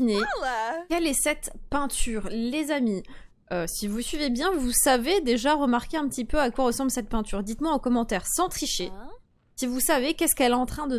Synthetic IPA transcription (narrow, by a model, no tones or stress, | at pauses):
inekɛlɛsɛt̪pɛ̃t̪yːʁlezami | øsivusɥivebjɛ̃vusaved̪eʒaʁəmaʁkʲeɛ̃pət̪ipøakwaʁəsɑ̃blsɛt̪̚pɛ̃t̪yʁd̪it̪mwɛ̃okɔmɑ̃t̪ɛʁsɑ̃t̪χiʃe | sivusavekʲɛskɛlɛɑ̃t̪χɛ̃d̪ə